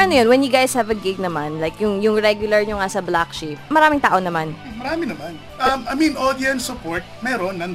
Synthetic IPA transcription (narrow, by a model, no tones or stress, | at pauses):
ɐnojonwɛnjʊɡajshɐvɐɡɪɡ̚nɐmanlajkjʊŋjʊŋɹɛɡjʊlɐɹɲʊŋasɐblakʃifmɐɾaːmɪŋt̪aːʔonɐmanmɐɾaːmɪnɐman | ʔɐmɐjminʔod̪iɐnsʊpoɹt̪̚mɛːɾonːɐ